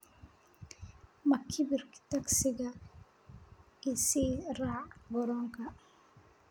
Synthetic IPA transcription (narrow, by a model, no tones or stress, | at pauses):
mɐkʰɪbɪrkt̪ɐksɪɣɐ | ɪsiːraːʕɡɔɾɔːŋkʰɐ